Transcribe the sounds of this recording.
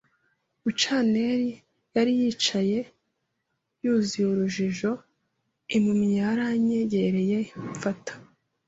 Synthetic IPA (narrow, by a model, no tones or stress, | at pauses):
ut͡ʃane̞ɾi | jaɾijiːt͡ʃaje̞ | juːzijuɾuʒiʒo̞ | imumɲaɾaɲeɟeɾe̞je̞iɱfatḁ